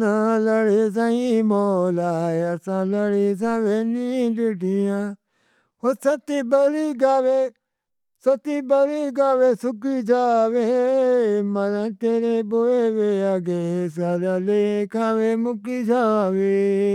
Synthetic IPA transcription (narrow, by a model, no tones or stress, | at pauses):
ãləɽes̬ãĩmoːlaːeɐsãːləɽis̬ãːʋenĩlɪʈijãː | hosɐt̪iːbəɾiːɡaːʋe | sɐt̪ibəɾiɡaːʋeːsʊkit͡ʃʰaːʋe | mɐɾãːt̪eːɾeboeːʋeaɡesaɾalekʰaːʋeːmʊkit͡ʃʰaːʋeː